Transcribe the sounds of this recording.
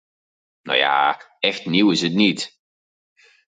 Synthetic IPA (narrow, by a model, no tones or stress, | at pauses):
no̰ja̰ | ɛxtniwɪzətniːt